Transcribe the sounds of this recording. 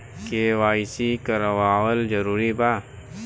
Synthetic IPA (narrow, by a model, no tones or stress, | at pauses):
keʋaːisikəɾəwaːwəld͡ʒəɾuːɾibaː